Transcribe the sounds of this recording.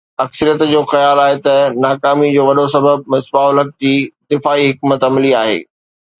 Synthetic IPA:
ɐksəɾijət̪d͡ʑoːxɐjaːlaːɦet̪ɐnaːkaːmid͡ʑoːʋɐɗosɐbəb̚mɪsbaːʊlɦək̚d͡ʑiːd̪ɪfaːiɦɪk̚mət̪ɐmliaːɦḛː

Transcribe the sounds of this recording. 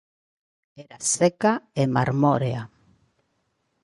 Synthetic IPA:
eɾasekaema̰ɾmoɾea

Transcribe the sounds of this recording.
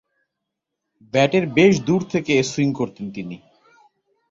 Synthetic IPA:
bɛʈeɾbeʃd̪uɾt̪ʰekesuiŋkoɾt̪ent̪ini

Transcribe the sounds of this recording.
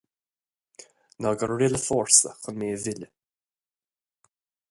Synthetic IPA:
nɔɡəɾɹɪləfɔːɹsə̰xənmeːəvɪlə

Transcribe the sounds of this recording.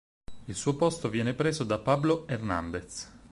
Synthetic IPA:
ilsuːopost̪ovjɛːnepɾeːzod̪apabloerna̰nd̪et̪s

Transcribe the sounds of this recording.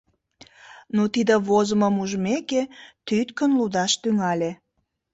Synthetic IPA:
nut̪id̪əβozəməmuʒəmeket̪yt̪kənlud̪ɑʃt̪yŋɑlʲe

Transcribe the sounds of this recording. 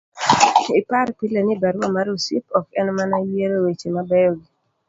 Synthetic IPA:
ɪpaɾpilenɪbaɾɔmaɾusipɔkɛnmanajeɾowet͡ʃemabɛjɔɡɪ

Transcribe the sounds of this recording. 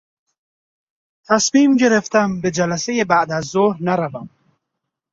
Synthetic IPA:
t̪ʰæsmiːmɟeɾeft̪æmbed͡ʒælæsejebæʔd̪æzːoɾnaɾavæm

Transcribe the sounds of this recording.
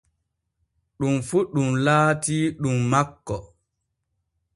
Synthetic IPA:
ɗumfuɗumlaːtiɗumːakːɔ

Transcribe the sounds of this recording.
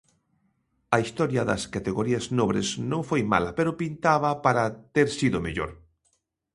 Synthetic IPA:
ɐist̪ɔɾjɐðɐ̰skat̪eɣoɾiaznoβɾḛsnõŋfojma̰lɐpeɾʊpint̪aβɐpaɾat̪eɾsiðʊmḛʎo̰ɾ

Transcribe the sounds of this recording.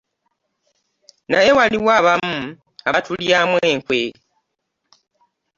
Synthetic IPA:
na̰je̞waliwaːβamu | aβatʰuljamwe̞ːŋkwe

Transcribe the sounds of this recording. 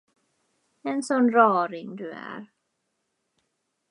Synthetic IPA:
ɛnsonɾɔːɾiŋduɛ̰ɾ

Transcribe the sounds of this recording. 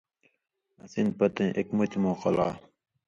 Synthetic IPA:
ɐsin̚pɐt̪ẽːʔekmut̪moːqɐla̰ː

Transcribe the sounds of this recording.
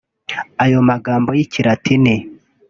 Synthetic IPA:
ajo̞maɡaːmbo̞jiciɾatʰine

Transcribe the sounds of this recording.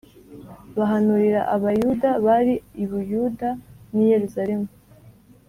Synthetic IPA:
βaɦanuɾiɾa̰ʔaβajudaβaɾiiβujudanije̞ɾuzaɾemu

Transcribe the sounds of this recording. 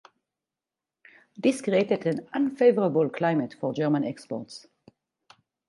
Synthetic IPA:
d̪ɪskɾeɪt̪ət̪ə̃nãnfeɪvəɾəbəlkʰlaɪmət̪fɔd͡ʒɜːmə̃nɛkspɔ̰ɾt̪s

